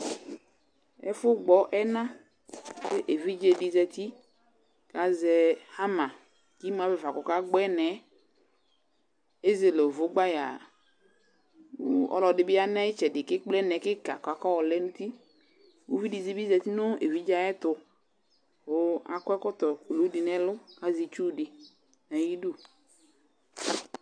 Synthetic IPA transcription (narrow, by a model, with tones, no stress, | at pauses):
ɛ̰˦fʊ˦ɡ͡bɔ˨ʔɛ˦nã˦ | be˦ʔe˨vi˦d͡ʒe˨ɖi˨zɛ˨t̪i˦ | ka˨zɛ˨ha˦mã˨ | ki˦m˦ã˨be˦va˨kɔ˨ka˦ɡ͡bɔ˦ɛ˦nɛ˨ | e˦ze˨lo˨vʊ˨˦ɡ͡ba˦ja̰˨˦ | ɔ̰˦lɔ˨dɪ˨bɪ˦a˦nɛ˦ɪ˦t͡ʃɛ˨dɪ˨kɪ˦k͡plɛ˦nɛ˨˦kɪ˦ka˨ka˨˦kɔ˦wɔ˨lɛ˦nu˦t̪i˦ | wu˦vi˦di˨zi˦bi˦zɛ˧˨t̪i˦nʊ˦e˨vi˨˦d͡ʒa˦jɛ˦t̪ʊ˧ | o˨˦a̰˨kɛ˦kɔ˦t̪ɔ˨ku˨lo˨˦dɪ˨nɛ˦lʊ˦ka˦zi˨t͡ʃu˦˨dɪ˨ | nɛ˨˦i˦du˦